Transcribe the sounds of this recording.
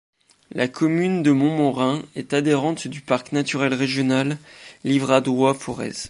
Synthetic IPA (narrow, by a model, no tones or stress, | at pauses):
lʔakʰɔmynd̪əmɔ̃mɔ̃ʁɛ̃ɛt̪ad̪eʁɑ̃t̪d̪ypaʁknat̪yʁɛlʁeʒjɔnalːivʁad̪wafɔʁɛ̰z